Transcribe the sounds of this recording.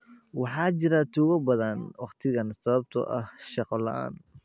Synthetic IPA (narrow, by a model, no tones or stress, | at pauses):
wɑħɑːt͡ʃɪɾɐt̪ʰuːɣɐbɐðɐnwɑqt̪ʰɪɣɐnsɐβɐb̚t̪ʰɔ̰ʔɐhʃɑqɔlɐ̰ʔa̰ːn